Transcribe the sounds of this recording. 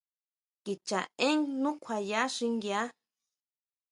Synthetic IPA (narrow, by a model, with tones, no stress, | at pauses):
ki˨t͡ʃa˨ẽ˦ŋnũ˦kʷʰa˨ja˨˦ʂi˧ŋɡja˦